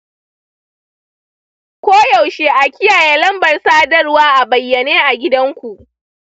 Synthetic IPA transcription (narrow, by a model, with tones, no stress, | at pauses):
kʷoː˦ja˨wʃeː˦ʔa˨kʲɪ˦jaː˨jeː˦lɐ˦mbɐ˨rsaː˦dɐ˦rwaː˦ʔa˨bɐ˨jːɐ˨neː˦ʔa˨ɡʲɪ˦dɐ˦ŋkʷu˨ʔ